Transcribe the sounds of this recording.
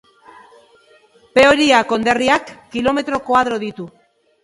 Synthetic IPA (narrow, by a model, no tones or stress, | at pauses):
pe̞oɾiako̞nd̪e̞riakːilo̞me̞t̪ɾo̞kwað̞ɾoðit̪u